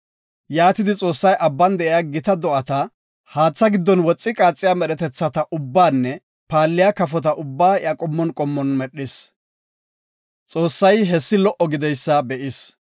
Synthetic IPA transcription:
jaːt̪ɪd̪ɪt͡sʼo̞ːsːɐjʔɐbːɐnd̪ɛʔɪjaɡɪt̪ɐd̪ɔʔɐt̪ɐ | haːt͡sːɐɡɪd̪ːɔnwɔt͡sʼːɪkʼaːt͡sʼːɪjaːmɛɗɛt̪ɛt͡sːɐt̪ɐʔʊbːaːnːɛ | paːlːɪjakɐfɔt̪̬ɐʔʊbːaːɪɐkʼɔmːɔnkʼɔmːɔnmɛɗːɪs | t͡sʼo̞ːsːɐjɦɛsːɪlɔʔɔɡɪd̪ɛjsːɐbɛʔɪs

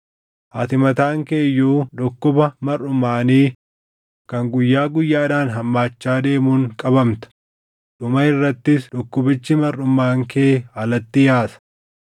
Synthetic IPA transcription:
ʔɐt̪ɪmɐt̪aːŋkeːjːuːᶑʊkːʊbɐmɐrːʊmaːniː | kɐŋɡʊjːaːɡʊjːaːd̪aːnɦɐmːaːt͡ʃːaːd̪e̞ːmuːŋkʼɐbɐmt̪ɐ̥ | ᶑʊmɐɪrːɐt̪ːɪsᶑʊkːʊbɪt͡ʃːɪmɐrːʊmːaːŋkeːɐlɐt̪ːɪjaːsɐ̥

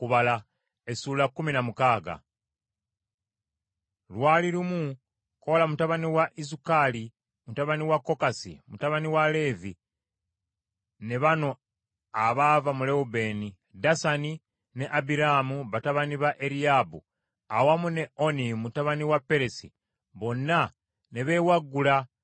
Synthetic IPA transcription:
kuβala | e̞suːlakːuminamukaːɡa̰ | lwaːliɾumu | kolamutaβaniwaʔizukali | mutaβaniwakːo̞kasḭmutaβaniwale̞ːvi | ne̞βano̞ | aβaːvamule̞ube̞ːni | dasani | ne̞ʔabiɾaːmuβataβaniβaʔe̞ɾiabṵ | awamune̞o̞nimutaβaniwapːe̞ɾe̞sḭ | βo̞nːa | ne̞βe̞waɡːula

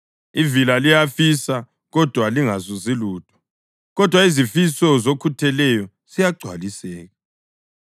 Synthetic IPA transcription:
ivilalijafisa | ɣɔd̥ʱwaliŋazɔziluːtʰʼɔ̥ | ɣɔd̥ʱwaizifisɔzokʰutʰɛlɛjɔ | z̥ijaɡ͡ǀʱwa̰lisɛːɣa

